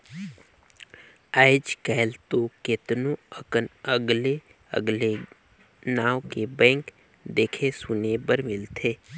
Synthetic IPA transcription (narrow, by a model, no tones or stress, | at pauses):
aɪd͡ʒkɛːlt̪oket̪nõəənəɡle | ə̰ɡle | naːwkebɛ̃ːŋk | d̪eːkʰesʊnebəɾmɪlt̪ʰeː